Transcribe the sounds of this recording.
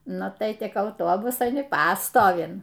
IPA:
ˈnʊ tɐɪ ˈtʲɪk ɐʊˈtoːbʊsɐn ɪ ˈpɑːstoːʋʲɪn

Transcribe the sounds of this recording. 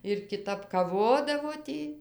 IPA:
ɪr kʲɪˈtɐp kɐˈʋoːdɐʋoː ˈtʲiː

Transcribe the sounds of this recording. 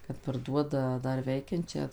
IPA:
kɐt pɐrˈduɔdɐ ˈdɐr ˈʋʲɛɪkʲɛnʲt͡ʃʲæː

